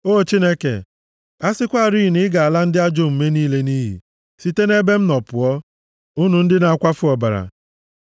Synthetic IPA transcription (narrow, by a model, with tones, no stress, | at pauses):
o˦˨t͡ʃi˦ne˦kḛ˨ | a˦sɪ˦kʷa˦˨ɾiː˦˨nɪ˦ɡa˨a˨la˦n̩˦dɪ˦a˦d͡ʒo˦˨m̩˨me˦niː˦le˦ni˦ɦḭ˨ | si˦te˦ne˦be˦m̩˦nɔ˨pʊ˨ɔ˦ | u˦nu˨n̩˦dɪ˦na˨a˨kʷa˦fʊ˦ɔ˨ba˨ɾa̰˨